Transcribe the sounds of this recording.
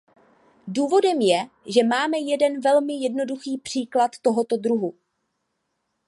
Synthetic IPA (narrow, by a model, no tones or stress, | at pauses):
duːvo̞dɛmjɛ | ʒɛmaːmɛjɛdɛnvɛlmɪjɛdno̞duxiːpr̝̥iːklat̪ːo̞ɦo̞t̪o̞d̪ɾuɦu